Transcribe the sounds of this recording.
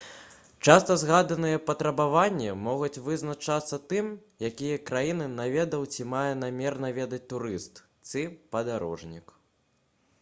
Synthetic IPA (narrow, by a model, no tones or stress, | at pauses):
t͡ʂast̪ɐzɣad̪ɐnɨjɛpɐt̪ɾɐbavanʲːɛmɔɣut͡sʲvɨznat͡ʂat̪sːɐt̪ɨmjakʲijɐkɾajinɨnavʲɛd̪ɐwt͡sʲimajɛn̪amʲɛrnavʲɛd̪ɐt͡sʲt̪uɾɨst̪ | t̪sɨpɐd̪aɾɔ̰ʐnʲḭk